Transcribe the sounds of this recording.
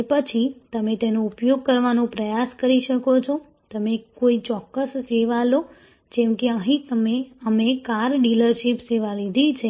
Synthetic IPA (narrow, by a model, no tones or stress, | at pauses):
epət͡ʃʰit̪əmet̪enoupjoɡ̚kəɾʋanopɾəjaskəɾiʃəkot͡ʃʰo | t̪əmekoit͡ʃɔkːəsːeʋalo | d͡ʒɛmkeəɦĩt̪əmeəmekaɾɖiləɾʃipseʋalid̪ʱit͡ʃʰe